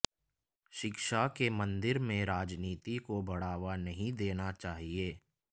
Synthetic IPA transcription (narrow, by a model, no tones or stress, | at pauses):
ʃɪkʃakemə̃nd̪ɪɾmẽɾaːd͡ʒniːt̪ikobɐɽ̤aːʋanɐɦĩd̪eːnat͡ʃaːɦieː